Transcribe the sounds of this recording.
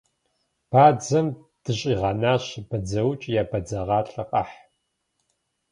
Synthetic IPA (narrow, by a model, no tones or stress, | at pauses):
b̥aːd͡zɐm | d̥ɨɕʼiːʁɐnaːɕbɐd͡zɐwt͡ʃʼjaːbɐd͡zɐʁɑːɬʼɐqʼɐ̰ħ